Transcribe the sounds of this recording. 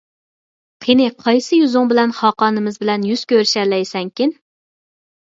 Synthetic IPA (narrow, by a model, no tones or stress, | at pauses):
qʰenɪqʰɑjsɨjyzʊŋbɪlɛnχɑːqɑːnɨmɪzbɪlɛnjyz̥kʲʰøɾʃɛlɛjsɛŋkʲɪn